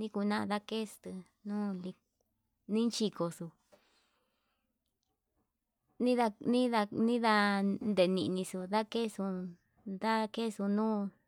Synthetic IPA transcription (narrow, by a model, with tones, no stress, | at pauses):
nĩ˦ku˧nã˦ʔd̪a˦ke˦˨su̥˧t̪ɨ˧ | nũː˦li˧ | nĩ˦nt͡ʃi˧ko˧su˧ | nĩ˦ða˧nĩ˦ða˧nĩ˦ða˧nd̪e˨˧nĩ˧ʔnĩ˧su˧ða˦ke˦˨su˧ | d̪a˦ke˦˨su˧nũː˦